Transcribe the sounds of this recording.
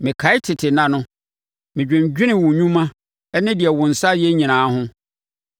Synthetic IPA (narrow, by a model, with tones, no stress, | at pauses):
mɪ̃˨kʰa˨˦ɪ˦tʰɪ˨tʰɪ˨nã˨nʊ̃˦ | mɪ̃˨d͡ʑᶣɪ̃˨ɲ˨d͡ʑᶣɪ˦nɪ̃˨wʊ̃˨ɲũ˦mã˦ | ɛ˦nɪ̃˦dɪ˨ɛ˨wʊ̃˨n̩˨sa˦jɛ˦ɲĩ˨nãː˨˦ɦʊ̃˦